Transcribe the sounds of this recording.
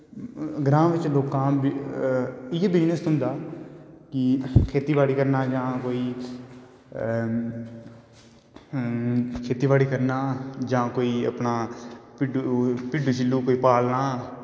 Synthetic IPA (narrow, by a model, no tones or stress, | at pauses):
ɡɾãːʋɪt͡ʃloːkãːb | ebɪnəst̪ɦʊ̃nd̪aːkɪkʰeːt̪iːʋaːɽiːkəɾnaːd͡ʒãːkoːiː | kʰeːt̪iːʋaːɽiːkəɾnaːd͡ʒãːkoːiːə̰pnaːpɪɖupɪɖuːt͡ʃɪlːuːkoːiːpaːlnaː